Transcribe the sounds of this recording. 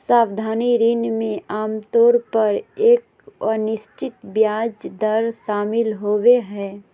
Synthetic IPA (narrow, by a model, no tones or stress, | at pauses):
saːwd̪ʱaːniɾinmẽaːmt̪oːɾpəɾeːk | ɔnɪst͡ʃɪt̪bjaːd͡ʒd̪ɐɾʃaːmɪlɦoːweɦɛː